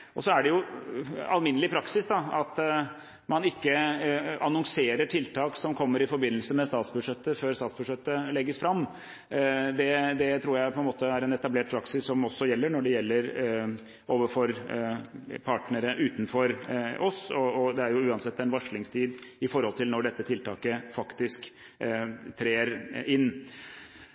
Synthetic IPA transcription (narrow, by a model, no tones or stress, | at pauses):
ʔɔsɔæɖɛjʊ | ɑ̰lmɪnəlɪpʰɾɑksɪsd̪ɑɑt̪ | mɑnɪkːəɑnɔŋseːɾəʈʰɪlt̪ʰɑːksɔmkʰɔmːəɾɪfɔɾbɪnːəlsəmɛst̪ɑːt̪sbʉʂɛt̪ːəføːɾst̪ɑːt̪sbʉʂɛt̪ːəlɛɡːəsfɾɑmː | d̪ɛd̪ɛt̪ʰɾuːɾjæɪpʰɔɛnmoːt̪əæɾɛnɛt̪ɑbleːʈ̚pʰɾɑksɪsːɔmɔsːɔjɛlːəɳɔɖɛjɛlːəɾ | oːʋəfɔɾ | pʰɑʈnəɾəʔʉːt̪n̩fɔɾɔsɔɔd̪ɛæɾjʊʉːɑnsɛt̪ːɛnʋɑʂɭɪŋst̪ʰiːd̪ɪfɔɾhɔlt̪ʰɪlnɔɖɛt̪ːət̪ʰɪlt̪ʰɑːkəfɑkt̪ɪsk | t̪ʰɾeːɾɪnː